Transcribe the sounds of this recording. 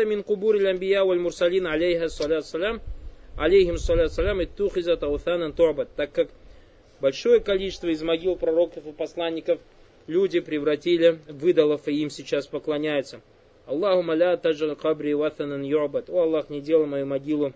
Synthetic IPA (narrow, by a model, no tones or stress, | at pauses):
əmʲɪnqʊbuɾɐlʲɐmbʲɪjawɐlʲmʊɾsɐlʲinʕalʲejɦaɐsˤːɑlʲat̪sːɐlamʕa̰lʲejɦɪmɐsːɑlʲat̪sːɐlʲamɪt̪ːuxɪzɐt̪ɐwθanɐnt̪ʊʕbɐt̪̚ːakːak | bɐlʲʂo̞jəkɐlʲit͡ɕɪst̪vəɪzmɐɡʲilˠpɾɐɾo̞kəfɨpɐslˠanʲːɪkəf | lʲudʲɪpɾʲɪvrɐtʲilʲɪvɨd̪əlˠəfɨimsʲɪt͡ɕaspəklˠɐnʲæjʊt̪sə | ɐlˠːɑhʊmːəlʲat̪ad͡ʒʕalʲqɑbɾʲiwat̪ɐnɐnjuʕbɐt̪oɐlˠːaxnʲɪdʲe̞lˠəjˠmɐjumɐɡʲilˠʊ